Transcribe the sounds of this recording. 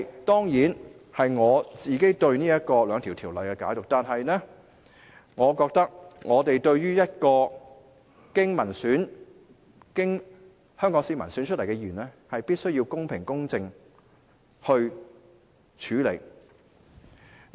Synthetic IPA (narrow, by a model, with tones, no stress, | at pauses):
t̪ɔː˥ŋjiː˨˥nhɐ˨jŋɔː˨˧t͡siː˨˩ke˥jt̪ɵ˧ɥniː˥jɐ˥t̚kɔː˧lœː˨˧ŋt̪ʰiː˨˩wt̪ʰiː˨˩wlɐ˨˩jkɛː˧kaː˨˥jt̪ʊ˨k̚t̪aː˨nɦɐ˨jnɛː˥ | ŋɔː˨˧kɔː˧k̚t̪ɐ˥k̚ŋɔː˨˧t̪e˨jt̪ɵ˧ɥjyː˥jɐ˥t̚kɔː˧ | kɪ˥ŋmɐ˨˩nsyː˨˥n | kɪ˥ŋ | hœː˥ŋkɔː˨˥ŋsiː˧mɐ˨˩nsyː˨˥nt͡ʃʰɵ˥t̚lɐ˨˩kɛ˧jyː˨˩nɛ˥ | hɐ˨jpiː˥t̚sɵ˥ɥji˧wkʊ˥ŋpʰɪ˨˩ŋkʊ˥ŋt͡sɪ˧ŋ | hɵ˧ɥ | t͡ʃʰyː˨˥lḛ˨˩j